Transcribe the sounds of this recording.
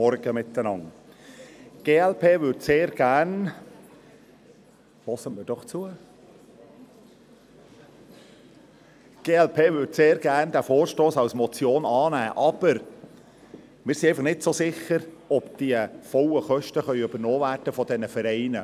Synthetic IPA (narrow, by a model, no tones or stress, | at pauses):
ɔɾɡ̥əmɪt̪ːənɑŋ | ɡ̥eːɛlpʰeːʋʏɾdseːɾɡ̥æn | fɔsəmɪːɾd̥ɔχt͡suə | ɡ̥eːɛlpʰeːvʏɾdseːɾɡ̥æːɾndæfoːɾʃtoːsɑwsmɔt͡sjoːnɑːnæːʔɑb̥əɾ | mɪːɾsiæɪfɑχnɪtsosɪχːəɾɔbd̥iəfɔləχœʃtəχœʏyb̥əɾnoːvæːrd̥əfɔd̥ɛnəfəɾɛɪnə